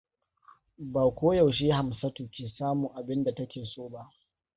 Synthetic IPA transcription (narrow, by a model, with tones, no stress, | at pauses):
baː˨kʷoː˦ja˨wʃ̬eː˦ha˨msɐ˦tuː˨kʲeː˨saː˦mʊ˨ŋʔa˨bɪ˦nda˨tɐ˦kʲeː˨soː˦ba˦ʔ